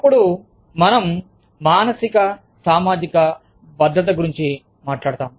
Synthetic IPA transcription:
ɐpːuɽuː | ɐnɐm | maːnɐsikɐ | saːmaːd͡ʒ̪ikɐ | bɐd̪ʱːɐt̪̬ɐɡuɾiɲt͡ʃi | maːʈɭaːɽt̪aːm

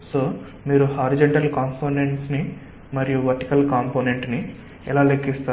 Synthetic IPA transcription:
soː | miːɾuhaːɾid͡ʒɐɳʈɐlkaːmpʰoːneɳʈsni | mɐɾijuʋɐɾʈikɐlkaːmpoːne̞ɳʈni | ɛlaːlekːist̪aː

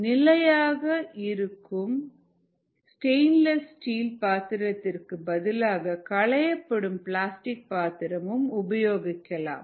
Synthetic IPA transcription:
nɪlɐjaːɣɐɪɾɯkʰːɯm | sʈeɪnlɐssʈiːlpaːt̪ɪɾɐt̪ːɪrkɯbɐðɪlaːɣɐkɐɭɐjɐpːɐɽɯmpɭaːsʈɪk̚paːt̪ɪɾɐmɯmʊbɐjoːɣɪkːɐla̰ːm

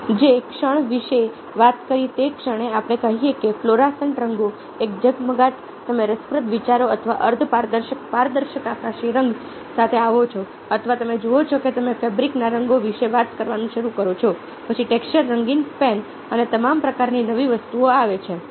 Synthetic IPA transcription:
d͡ʒekʃəɳ̃ʋiʃe | ʋat̪kəɾit̪ekʃəɽ̃eapɽ̃ekəɦiekefloɾasəɳʈɾəŋɡo | ek̚d͡ʒəɡməɡaʈ̚ | t̪əmeɾəspɾət̪ʋit͡ʃaɾoət̪ʰəʋa̰ʔəɾd̪ʰʱpaɾd̪əɾʃəkpaɾd̪əɾʃəkapnaʃiɾəŋɡ | sat̪ʰeaʋot͡ʃʰo | ət̪ʰʋat̪əmed͡ʒoot͡ʃʰoket̪əmefebɾiknaɾəŋɡoʋiʃeʋat̪kəɾʋanũʃəɾukəɾot͡ʃʰo | pət͡ʃʰiʈekst͡ʃəɾːəŋɡinspɛn | ənet̪əmampɾəkaɾninəʋiʋəst̪uoaʋet͡ʃʰe

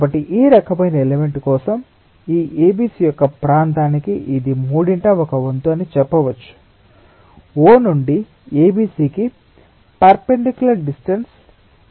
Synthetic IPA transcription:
bɐʈːiʔiːɾɐkɐmɐjinɐeleme̞ɳʈkɔːsɐm | iːʔeːbiːsiːjɔkːɐpɾaːnt̪aːnikiʔid̪imuːɽiɳʈɐːɔkɐʋɐnt̪uɐnit͡ʃɛpːɐʋɐt͡ʃːu̥ | oːnuɳɖi | eːbiːsiːki | pɐɾpeɳɖekjulɐɾɖisʈɐns

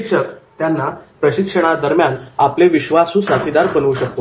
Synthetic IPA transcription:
kʂət̪janːapɾəɕikʂəɽ̃ad̪əɾmjanapleʋiɕʋasũːsat̪ʰid̪aɾbənuːɕək̚t̪o

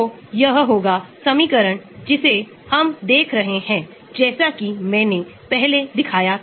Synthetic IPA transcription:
o | jɐɦɦoːɡasɐmiːkəɾəɳ̃d͡ʒɪse | hɐmd̪eːkʰɾɐɦeɦɛ̃ː | d͡ʒɛːsakimɛ̃ːnepɛɦled̪ɪkʰaːja

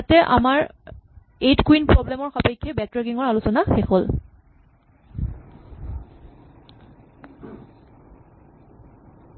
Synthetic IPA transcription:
atɛʔa̰maɹ | etkuwinpɹɔblɛmɔɹxapajkʰːɛbɛtɹaɡiŋɔɹalusɔnaxexol

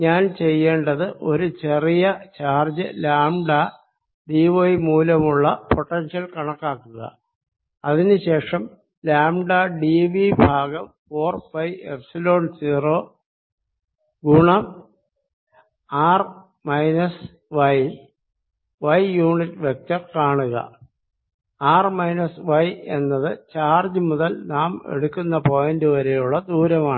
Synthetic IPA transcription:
ɲaːnt͡ɕe̞jːeːɳɖɐðɨʔo̞ɾut͡ɕe̞rijɐt͡ɕaːrd͡ʑɐ̰laːmɖa | ɖiʋojmuːlɐmuɭːɐpʰo̞ʈːɐnʂɐlkɐɳɐkːaːkːuɣɐ̰ | ɐðinɨɕe̞ːʂɐm | laːmɖaːɖiʋibʱaːɡɐmfo̞ːrfɐjḛpsilo̞ːɳsiːroː | ɡuɳɐm | aːr | mɐjnɐs | ʋɐj | ʋɐjjuːɳitːʋek̚tɐrkaːɳuɣɐ̰ | aːrmɐjnɐsʋɐje̞nːɐðɨt͡ɕaːrd͡ʑɨmuðɐlnaːmḛɽukːunːɐpoːjendɨʋɐɾejuɭːɐd̪uːɾɐmaːɳɨ

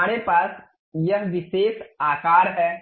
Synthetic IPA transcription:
aːɾepaːs | jɐɦʋɪʃeːsaːkaːɾɦɛː

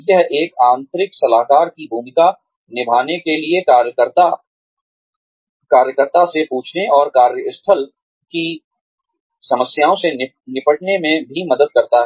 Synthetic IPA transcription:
jɐɦeːkaːnt̪ɾɪksɐlaːkaːɾkibʱuːmɪka | nɪbʱaːnekeliekaːɾjkəɾa | kaːɾjəkəɾt̪asepuːt͡ʃʰneʔɔːɾkaːɾjəɪst̪ʰəl | ki | sɐməsjaːõse | nɪpəʈnemẽbʱimɐd̪əd̪̚kɐɾt̪aɦɛɛː

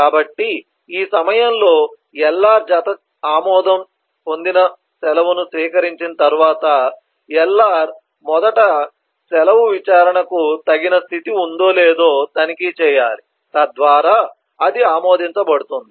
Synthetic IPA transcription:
kaːbɐʈːi | iːsɐmɐjɐmlo̞ː | ɛlːaːɾd͡ʒaːt̪ɐ | aːmɔːd̪ɐm | po̞nd̪inɐ | sɛlɐʋunusʋiːkɐɾiɲt͡ʃinɐt̪ɐɾuʋaːt̪ɐ | ɛlːaːɾ | mɔd̪ɐʈɐ | sɛlɐʋuʋit͡ʃaːɾɐɳɐkut̪ɐɡinɐst̪ʰit̪iund̪o̞ːleːd̪o̞ːt̪ɐnikit͡ʃɛːjaːɾi | t̪ɐd̪ʋaːɾaː | ɐd̪iaːmoːd̪iɲt͡ʃɐbɐɽut̪und̪i

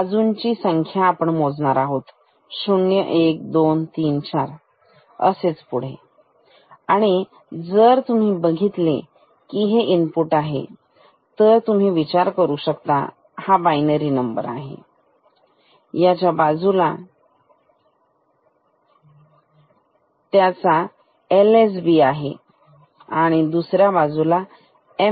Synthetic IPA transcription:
ad͡zunt͡ɕiːsəŋkʰjaːpəɳmod͡zɳaɾaɦot̪ | ɕuɳjəʔek̚d̪ont̪iːnt͡ɕaɾ | ə̰set͡spuɽ̤ḛ | aɽ̃i | d͡zəɾt̪um̤iːbəɡʱit̪le | kiɦeʔinpuʈaɦḛ | t̪əɾt̪um̤iːʋit͡ɕaɾkəɾuːɕəkt̪a̰ | habajnəɾiːnəmbə̰ɾaɦḛ | jat͡ɕjabad͡zula | t̪jat͡sa | eles̬biaɦḛ | aɽ̃id̪usɾjabad͡zula | e

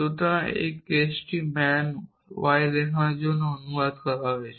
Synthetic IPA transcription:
t̪ut̪ãḛkːesʈimɛn | ʋajd̪ekʰãd͡ʒonoənuʋad̪kəɾaʋet͡ʃʰ

